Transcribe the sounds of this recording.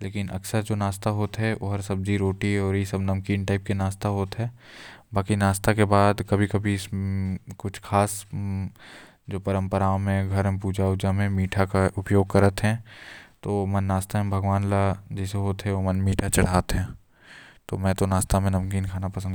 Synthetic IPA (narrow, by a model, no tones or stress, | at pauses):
leːkɪnʔɐ̰ksəɾd͡ʒoːnaːst̪aɦoːt̪ɦɛʔo̰ɦɐɾsɐb̚d͡ʒiɾoːʈiɔːɾjesɐbnɐmkiːnʈaːɪp̚kenaːst̪aɦoːt̪ɦɛː | baːkinaːst̪akebaːd̪kɐbʱikɐbʱiskʊt͡ʃʰkʰaːs | d͡ʒoːpɐɾə̃mpəɾaːõmẽɡʱɐɾɦɛ̃puːd͡ʒaʊd͡ʒamẽmiːʈʰakaʔʊpjoːɡ̚kɐɾət̪ɦɛ̃t̪oːmɐ̃nːaːst̪ʰaɦɛ̃bʱɐɡʋaːnlad͡ʒɛseɦoːt̪ɦɛʋomɐnmiːʈʰat͡ʃɐɽ̤aːt̪ɦɛ̃ː | t̪omɛ̃ːt̪onaːst̪amẽnɐmkiːnkʰaːnapɐsənd̪